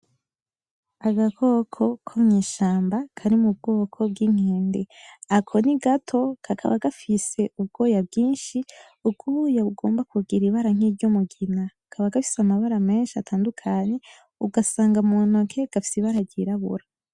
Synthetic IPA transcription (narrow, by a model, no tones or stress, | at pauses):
aɡakʰo̞kʰo̞kʰomɲiːʃaːmbakʰaɾimub̚ɡo̞ːkʰo̞bɡiŋ̥eːndeakʰo̞niɡatʰo̞kʰakʰa̰βa̰ɡafise̞ubɡo̞ːjabɡiːnʃi | ub̚ɡujaβuɡo̞̰ːmbakuɡiɾiβaɾaŋ̥iːɾɟomuɡina | kʰaβaɡafi̥samaβaɾame̞ːnʃiatʰaːndukʰaɲe̞ | uɡasaːŋɡamonokʰe̞ɡ̥afi̥siβaɾaɟiɾaβṵɾa